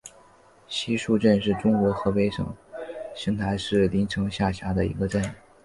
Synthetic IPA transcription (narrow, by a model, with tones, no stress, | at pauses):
ɕi˥ʂu˥˧ʈ͡ʂə˥˧nʂɻ̩˥˩ʈ͡ʂʊ˥ŋkwɔ˧˥xɤ˧˥pe˥ɪʂɤ̰˨˩˦ŋɕi˧˥ŋt̪ʰa˧˥ɪʂɻ̩˥˩li˧˥nʈ͡ʂʰɤ˧˥ŋɕja˥˩ɕja˧˥d̪ə˧˨ḭ˧˥ɡə˧ʈ͡ʂə˥˩n